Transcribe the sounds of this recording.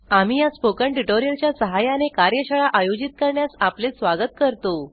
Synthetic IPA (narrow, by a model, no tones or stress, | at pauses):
am̤iːjaspokəɳʈuʈoɾijəlt͡ɕjasəɦajanekaɾjəɕaɭaʔajod͡ʑit̪̚kəɾɳjasaplesʋaɡət̪kəɾt̪o